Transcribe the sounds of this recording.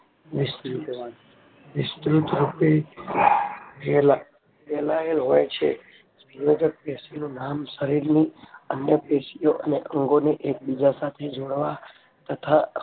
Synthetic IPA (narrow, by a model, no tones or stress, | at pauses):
ʋɪst̪ | ʋɪst̪ɾut̪ɾupe | pɛla | pelaelɦojt͡ʃʰḛ | ijod͡ʒək̚pesinũnamʃəɾiɾniənjəpesijoʔəneʔə̃ŋɡoneʔek̚bid͡ʒasat̪ʰed͡ʒoɽʋa | t̪ət̪ʰa